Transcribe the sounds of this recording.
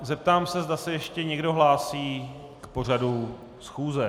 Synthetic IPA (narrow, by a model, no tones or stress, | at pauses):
zɛp̚t̪aːmsɛzd̪asɛjɛʃcɛɲɛɡdo̞ɦlaːsiː | kpo̞r̝adu | sxuːzɛ